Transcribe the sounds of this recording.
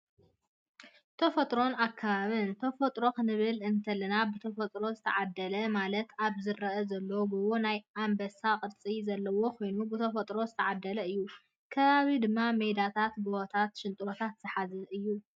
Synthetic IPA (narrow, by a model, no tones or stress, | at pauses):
t̪ʰɐfɐt̪ʼɾo̞nakʰːaβaβɨnt̪ʰɐfɐt̪ʼɾo̞kɨnɨβɨlɨnt̪ʰɐlɐnabɨt̪ʰɐfɐt̪ʼɾo̞zɨt̪ʰɐʕad̪ːɐlɐmalɐt̪aβzɨɾɐʔɐzɐlːɐwɡoβonajambɐsakʼɨɾt͡sʼizɐlːɐwo̞kʰo̞jnubɨt̪ʰɐfɐt̪ʼɾo̞zɨt̪ʰɐʕad̪ːɐlɐɨjːu | kʰɐβaβid̪ɨmːamejd̪at̪ʰat̪boot̪ʰat̪ʃɪnt̪ʼɾot̪ʰat̪z̥ɨħazɐʔɨjːu